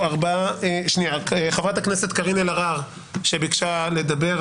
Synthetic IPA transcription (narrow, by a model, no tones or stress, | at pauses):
aʁbaʃniaeχavʁat̪hakneset̪kaʁinelaʁaʁ | ʃebikʃale̞d̪abe̞ʁ